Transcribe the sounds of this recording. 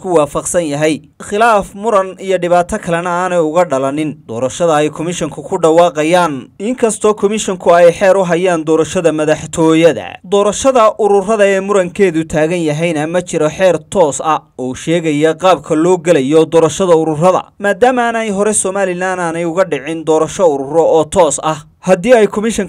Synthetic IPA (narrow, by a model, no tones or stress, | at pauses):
kʰʊwɑːfɐqsɐnjɐɦɛj | χɪlaːfmʊɾɐnijɔɖɪβaːt̪ʰɐkʰɐlɐnɐaːnɛjʊɣɐɖɐlɐnɪnd̪̥ɔːɾɐʃɐðɐɛjkʰɔmɪʃɔŋkʰʊkʰʊɖɐwɑːqɑjaːnɪŋkʰɐst̪ʰɔːkʰɔmɪʃɔŋkʰʊɛjħɛːɾʊɦɐjaːnd̪ɔːɾɐʃɐðɐmɐðɐħt̪ʰɔːjɐðɐ̰d̪ɔːɾɐʃɐðɐʔʊɾʊrɐðɐɛːmʊɾɐŋkʰɛːðʊt̪ʰaːɣɐnjɐɦɛjnɐmɐt͡ʃɪɾɔħɛːrt̪ʰɔːsɐɔːʃɛːɣɐjɐqɑːb̚kʰɐlɔːɡɐlɐjɔd̪ɔːɾɐʃɐðɐʊɾʊrɐðɐ̰maːd̪aːmaːnɐjɦɔɾɛsɔmaːlɪlaːnaːnɛjʊɣɐɖɪʕɪnd̪ɔːɾɐʃɔʊɾʊrɔɔːt̪ʰɔːsɐh | hɐd̪iːɛjkʰɔmɪʃɔŋ